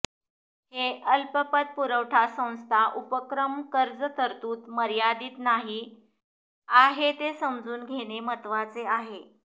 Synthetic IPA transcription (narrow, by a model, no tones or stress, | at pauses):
heəlpəpət̪̚puɾəʋʈʰasə̃w̃st̪ʰaʔupəkɾəmkəɾd͡zt̪ʰəɾt̪uːt̪məɾjad̪iːt̪naɦi | aɦet̪esəmd͡zuːnɡʱeɽ̃emət̪ʋat͡seaɦe